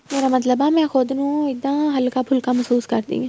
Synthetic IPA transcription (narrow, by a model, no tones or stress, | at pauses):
meːɾamɐt̪̬ləbamɛ̃xʊd̪nũɪd̪ãɦɐlkapʰʊlkamɐsuːskɐɾd̪ḭ̃